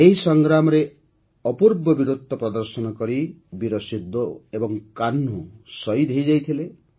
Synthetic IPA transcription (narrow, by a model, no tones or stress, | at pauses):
eɦisɔŋɡɾamɔɾe | ɔpuɾbɔbiɾud̪ʱɔpɾɔd̪ɔɾsɔnɔkɔɾibiɾɔsid̪ːoebɔŋkanːusɔid̪ʱejd͡ʒajt̪ʰile